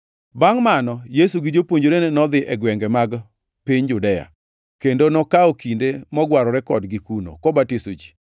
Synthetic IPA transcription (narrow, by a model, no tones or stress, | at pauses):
baŋmanɔjesuɡɪd͡ʒopwoɲd͡ʒoɾenenɔd̪ɪʔɛɡwɛŋɡɛmaɡ | piɲd͡ʒʊdɛja̰ | kendonɔkaokindemɔɡwaɾɔɾɛkɔdɡikuno̰kɔbatisod͡ʒi̥